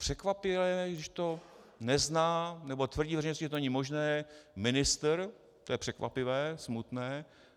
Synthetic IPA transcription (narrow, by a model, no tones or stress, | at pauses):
pr̥ɛkvapɪlɛɡdɪʃt̪o | nɛznaːnɛbo̞t̪vr̩ɟiːvɛrɛejnoscːɪʒɛt̪onɛɲɪmo̞ʒnɛːmɪnɪst̪ɾ | t̪ojɛpr̥ɛkva̰pɪvɛːsmut̪nɛː